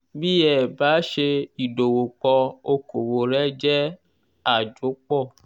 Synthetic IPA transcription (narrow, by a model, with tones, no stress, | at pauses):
bi˦jɛ˦˨ba˨˦ʃe˧i˨do˨wo˨k͡pɔ˧o˧ko˨wo˨ɾɛ˦d͡ʒɛ˦ | a˨d͡ʒu˨˦k͡pɔ˦˨